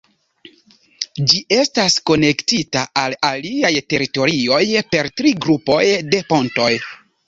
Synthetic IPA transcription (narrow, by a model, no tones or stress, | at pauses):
d͡ʒiʔe̞stasko̞ne̞ktitaʔalaliajte̞ɾito̞ɾio̞jpe̞ɾtɾiɡɾupo̞jde̞po̞nto̞j